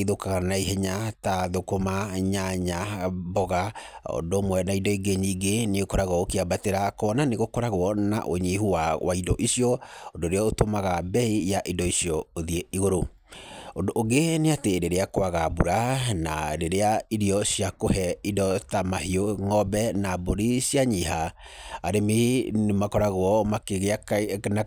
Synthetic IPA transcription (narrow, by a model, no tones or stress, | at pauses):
iðokaɣanaiɦeɲataðokomaɲaɲabɔɣao̰ndoːmwɛnaidɔiɡeɲiɡeneɣokoɾaɣwɔokeabateɾakɔnaneɣokoɾaɣwɔna̰ʔoɲehuwawaidɔ̰ʔisiɔondoɾeɔotomaɣabɛijaʔidɔisiɔoðieiɣoɾo | ondoʔːɡeneateɾeɾeakoaɣabuɾana̰ɾeɾeaiɾiɔsjakohɛidɔtamahioŋɔbɛnaboɾisjaɲiɦaaɾemenemakɔɾaɣwɔmakeɣeakna